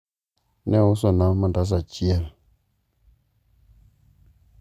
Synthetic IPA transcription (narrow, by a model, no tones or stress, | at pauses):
nɛwus̬onaŋmədas̬at͡ʃiɛl